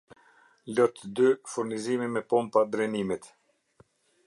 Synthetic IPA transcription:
lɔt̪d̪yfuɾnizimimɛpɔmpad̪ɾɛnimit̪

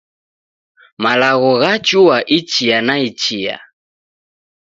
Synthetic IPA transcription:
malaɣɔɣat͡ʃuaʔit͡ʃianait͡ʃia̰

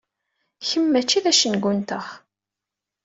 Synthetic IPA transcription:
çəmːæt͡ʃːiðæʃənɡʊnt̪əχ

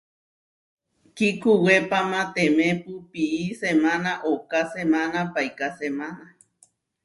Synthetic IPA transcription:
kikuwepamãt̪emẽpɨpiisemãnãʔokasemãnãpajkasemãnã

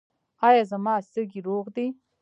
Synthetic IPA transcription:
ɑjɑzamɑst̪əɡiɾoɣd̪i

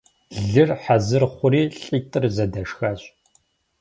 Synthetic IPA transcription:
ɮɨrħazɨrχʷʊɾiːɬʼiːtʼɨrzɐdɐʂxɐɕʼ

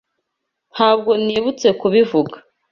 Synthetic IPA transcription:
haːb̚ɡo̞niːβut͡se̞kuβivuɡḁ

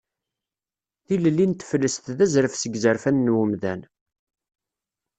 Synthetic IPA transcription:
θiləlːint̪fəlːəst̪ðæzɾəfsəɡzəɾfænːwəmðæn

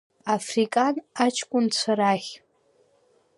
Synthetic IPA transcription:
afrikʼanat͡ʃʰʼkʷʼʊnt͡ɕʷʰaɾaχʲ

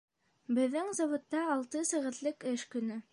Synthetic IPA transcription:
bɘ̆ðːɘŋzɑwŏt̪ːɑːlˠt̪ɤsɘ̆ʁɘ̆t̪lɘkɘʃkɵ̆nɵ

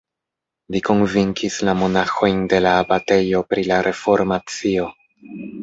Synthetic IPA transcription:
liko̞nviŋkʰislamo̞naxo̞jnde̞laːbate̞jo̞pɾilaɾʔe̞fo̞ɾmat͡sio̞

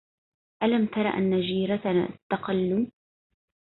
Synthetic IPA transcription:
ʔalamt̪ɑɾˤɑ̰ʔanːad͡ʒiːɾat̪at̪ːɑqalːʊm

